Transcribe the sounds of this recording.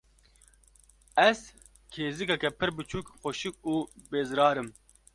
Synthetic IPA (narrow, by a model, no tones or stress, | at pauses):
ɛz | kʰeːzikɑkɛpʰɨɾbɨt͡ʃʰuːkxoʃik̚uːbeːzɾɑːɾɨm